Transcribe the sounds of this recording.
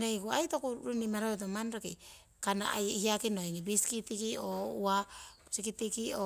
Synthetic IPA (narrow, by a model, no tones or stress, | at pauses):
nojɡuajtokuɾunimaɾoet̬omanɾoki | kana̰a̰jhiakinojŋibiskitikioua | sikitikio